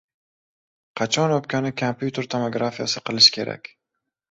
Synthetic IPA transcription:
qʰɑt͡ʃʰɒnop̚kʰʲɒnɪkʰampʰjut̪ʰeɾt̪ʰomoɡɾafijasɪqɨlˠɪʃkʲʰe̞ɾa̰kʲ

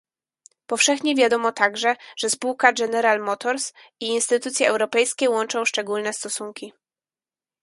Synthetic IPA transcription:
pɔfʂɛxɲɛvʲjad̪ɔmɔt̪aɡʐɛʐ̥ɛspuwkaɡɛnɛɾalmɔt̪ɔɾs | iːnst̪ɘt̪ut̪sʲjɛʔɛwɾɔpɛjskʲɛwɔnt͡ʂɔ̃w̃ʂt͡ʂɛɡulnɛst̪ɔsuŋkʲi

